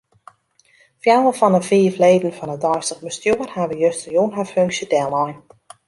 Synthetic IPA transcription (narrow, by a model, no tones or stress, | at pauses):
fjawəfɔnəfiːvleːdn̩fɔnədɔjstəχbəstjoːərhaʋəjøstəjoənɦaføŋksjədɛlˠɔjn